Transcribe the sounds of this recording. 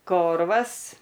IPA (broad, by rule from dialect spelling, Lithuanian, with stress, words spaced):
ˈkoːrʋɐs